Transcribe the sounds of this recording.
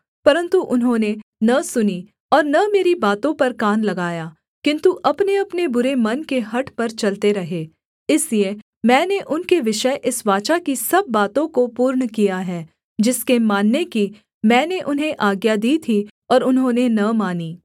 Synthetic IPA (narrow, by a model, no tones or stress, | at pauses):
pɐɾə̃nt̪uʔʊnɦõnenɐsʊni | ɔːɾnɐmeːɾibaːt̪õpɐɾkaːnlɐɡaːjaː | kɪ̃nt̪uʔɐpneɐpnebʊɾemɐnkeɦɐʈpɐɾt͡ʃɐlt̪eɾɐɦeː | ɪslie | mɛ̃ːneʔʊnkeʋɪʃəʔɪsʋaːt͡ʃakisɐbːaːt̪õkopuːɾɳkijaɦɛː | d͡ʒɪskemaːnːeki | mɛ̃ːneʔʊnɦẽʔaːɡjad̪iːt̪ʰi | ɔːɾʊnɦõnenɐmaːniː